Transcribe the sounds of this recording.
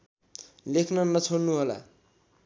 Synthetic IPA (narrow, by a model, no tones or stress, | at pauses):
lekʰnʌnʌt͡sʰonnuɦola̰